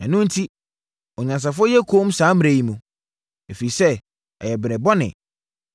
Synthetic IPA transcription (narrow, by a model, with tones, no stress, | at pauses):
ɛ̃˨nʊ̃˦n̩˦tʰi˦ | ɔ˨ɲã˨ns̬a˨fʊ˦ɔ˦jɛ˦kʰoː˦m˦sãː˨˦m̃˦ɾæ˨ji˨mũ˨ | e˨fi˨sɛ˦ | ɛ̰˨jɛ˨bɪ˨ɾɛ̃˨bɔ˦nɪ̰̃˨